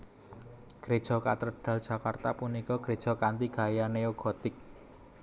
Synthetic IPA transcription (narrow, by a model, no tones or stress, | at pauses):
ɡ̥ɾe̥ʒ̥ɔ̤kat̪ɾɖ̥ä̤ld̥ʒ̥a̤kart̪apunikɔɡ̥ɾed̥ʒ̥ɔ̤kant̪iɡ̥a̤janeoɡ̥ɔ̤t̪ɪk̚